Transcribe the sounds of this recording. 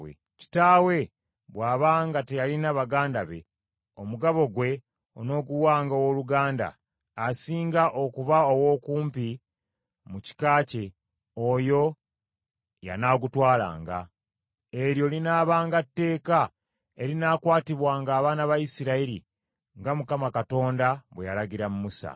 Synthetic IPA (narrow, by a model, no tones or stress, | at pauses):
ḛ | ci̥taːwe̞ | βwaːβaːŋɡatejalinaβaɡaːndaβe̞̰ | o̞muɡaβo̞ɡwe̞ | ono̞ːɡuwaːŋɡawoluɡaːnda̰ː | siːŋɡaʔo̞kuvao̞wo̞ːkuːmpi | muci̥kaːce̞ | ojo̞ | ja̰naɡutwaːla̰ːŋɡa̰ | e̞ɾjo̞linaːβaːŋɡatːe̞ːka | e̞ɾinakwaːtiβwaːŋɡaːβaːnaβajisiɾaiɾḭ | ŋɡamukamakato̞ːndaβwejalaɟɡiɾamumusa̰